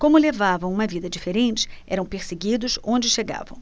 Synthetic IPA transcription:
kõmʊlevavɐ̃w̃ũmɐvid̪ɐd͡ʒifeɾẽnt͡ʃɪ̥ɛ̰ɾɐ̃w̃peɾseɡid̪ʊsõnd͡ʒɪʃeɡa̰vɐ̰̃w̃

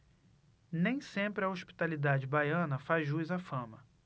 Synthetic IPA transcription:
nẽj̃sẽmpɾɪɐoʃpi̥t̪alid̪ad͡ʒɪbajɐ̃nɐfazʒujzafɐ̃mɐ

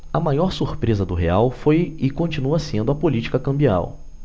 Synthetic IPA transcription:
ɐmajɔɾsuɾpɾezɐd̪ʊɦeawfojɪkõt͡ʃinuɐsẽnd̪ʊɐpolit͡ʃi̥kɐkɐ̃mbia̰w

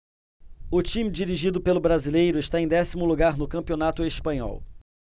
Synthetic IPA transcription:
ʊt͡ʃĩmid͡ʒiɾiʒid̪ʊpelʊbɾazilejɾʊeʃt̪aẽj̃d̪ɛsimʊluɡaɾnʊkɐ̃mpionat̪ʊespɐ̃ɲɔ̰w

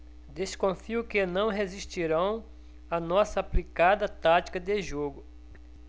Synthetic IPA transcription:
d̪eskõfiʊkɪnɐ̃w̃ɦeziʃt͡ʃiɾɐ̃w̃ | ɐnɔsɐaplikad̪ɐt̪at͡ʃi̥kɐd̪eʒoɡʊ

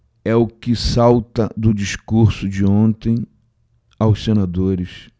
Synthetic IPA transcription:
ɛʊkɪsawt̪ɐd̪ʊd͡ʒiʃkuɾsʊd͡ʒɪõnt̪ẽj̃ | awssenad̪oɾɪs

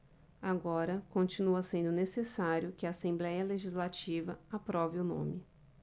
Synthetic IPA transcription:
aɡɔɾɐkõnt͡ʃinuɐsẽnd̪ʊnesesaɾjʊkɪaːsẽmblɛjɐleʒizlat͡ʃivɐapɾɔvɪʊnõ̰mɪ

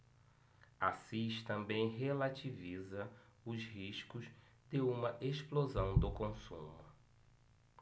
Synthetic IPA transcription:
asiʃt̪ɐ̃mbẽj̃ɦelat͡ʃivizɐ | ʊzɦiʃkʊz | d̪ɪũmɐʔeʃplozɐ̃w̃d̪ʊkõsṵ̃mʊ

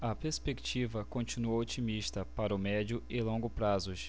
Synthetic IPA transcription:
ɐpeɾspekt͡ʃivɐkõnt͡ʃĩnuowot͡ʃimiʃt̪ɐpaɾʊmɛd͡ʒjʊɪlõɡʊpɾazʊʃ

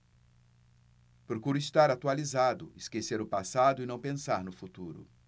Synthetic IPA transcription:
pɾokuɾʊist̪aɾat̪ualizad̪ʊɪskeseɾʊpasad̪ʊɪnɐ̃w̃pẽsaɾnʊfut̪uɾʊ̰

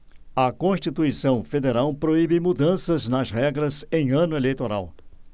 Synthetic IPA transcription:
ɐkõʃt͡ʃit̪uisɐ̃w̃fed̪eɾawpɾoibɪmud̪ɐ̃sɐznɐzɦɛɡɾɐzẽj̃ɐ̃nʊelejt̪oɾa̰w

